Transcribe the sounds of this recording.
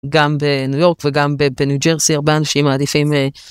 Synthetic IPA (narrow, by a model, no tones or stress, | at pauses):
ɡambe̞nujo̞ʁkveɡambebenud͡ʒeʁsiaʁbeanaʃimaːd̪ifimle